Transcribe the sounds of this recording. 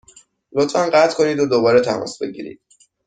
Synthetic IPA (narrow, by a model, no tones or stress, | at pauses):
lot̪fænɢæt̪ʰkʰo̞niːd̪od̪obɒːɾet̪ʰæmɒ̰ːsbe̞ɟḭːɾḭːd̪̥